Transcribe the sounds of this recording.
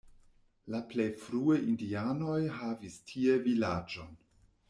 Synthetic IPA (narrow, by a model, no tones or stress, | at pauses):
laplejfɾuejindiano̞jɦavistʰievilad͡ʒo̞n